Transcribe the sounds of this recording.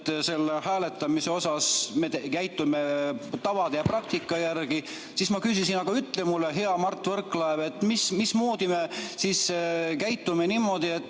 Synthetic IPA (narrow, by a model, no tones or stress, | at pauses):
t̪ːse̞lːehæːle̞t̪ːˑɑmise̞o̞sɑsmet̪ekæjt̪ːˑume̞t̪ɑvɑd̪ejɑprɑk̚t̪ikːˑɑjærɡ̥i | sismɑkysisinɑɡ̥ɑyt̪ːˑlemulːeɦe̞ɑmɑrt̪ːˑvɤrkːˑlɑeve̞t̪ːmismismoːd̪̥ime̞siskæjt̪ːˑumenimːo̞d̪̥ie̞t̪ː